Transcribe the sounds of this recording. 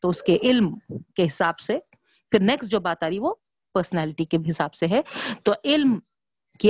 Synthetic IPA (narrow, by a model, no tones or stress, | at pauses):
t̪oʊskeʔɪlmkeɦɪsaːbse | pʰɪɾnɛːksd͡ʒoːbaːt̪aːɾiʋo | pəɾsənɛːlɪʈikeɦɪsaːbseɦɛt̪oʔɪlm | ki